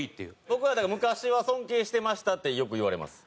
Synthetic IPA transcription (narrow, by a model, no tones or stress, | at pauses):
it̪ːejɯ̟bokɯ̟βad̪aɡamɯ̟kaɕiβasõ̞ŋke̞ːɕi̥t̪e̞maɕi̥t̪at̪ːe̞jo̞kɯ̟iβaɾe̞ma̰sɨ̥